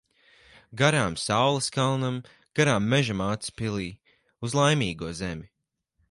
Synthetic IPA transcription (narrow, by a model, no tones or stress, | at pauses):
ɡaɾaːmsawlˠɐskalˠnam | ɡ̥aɾaːmːɛʒamaːt̪spilˠiː | uzlˠajmiːɡuɔzɛmʲi